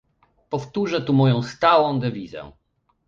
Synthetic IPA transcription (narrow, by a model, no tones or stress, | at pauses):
pɔft̪uʐɛt̪umɔjɔ̃w̃st̪awɔ̃d̪ɛvʲizʲɛ̰